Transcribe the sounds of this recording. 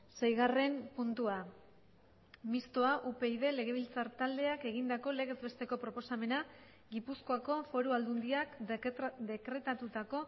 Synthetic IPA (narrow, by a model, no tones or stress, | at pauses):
sajɣ̞are̞mpunt̪ua | mist̪o̞aʔupe̞ið̞e̞le̞ɣ̞e̞β̞ilt͡saɾt̪ald̪e̞ake̞ɣ̞ind̪ako̞le̞ɣ̞e̞zβe̞st̪e̞ko̞pɾo̞po̞same̞na | ɡipusko̞ako̞fo̞ɾuald̪und̪iak | d̪e̞kɾe̞t̪at̪ut̪ako̞